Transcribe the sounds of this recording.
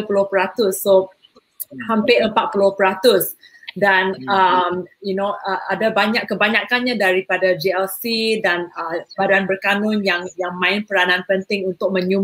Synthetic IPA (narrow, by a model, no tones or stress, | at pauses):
pulopəɾat̪ʊsːo | hampɪəmpat̪̚pulopəɾat̪ʊs | danəmjunoəadabaɲakkːəbaɲakanɲadaɾipadad͡ʒiɛlsidanəbadanbərkanʊnjaŋjaŋmãɪnpəɾanãnpənt̪ɪŋunt̪ʊk̚mə̃ɲum